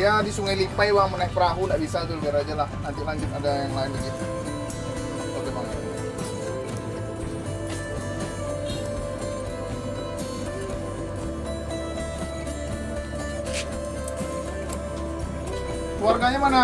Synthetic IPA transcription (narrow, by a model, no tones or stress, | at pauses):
jadisuŋajlipajwamənaik̚pəɾaɦundaʔbisat̪ʊlɡaɾad͡ʒalahnant̪ilaɲd͡ʒʊt̪adajaŋlaɪnbəɡit̪u | kaɡamaŋa | klwarɡaɲamana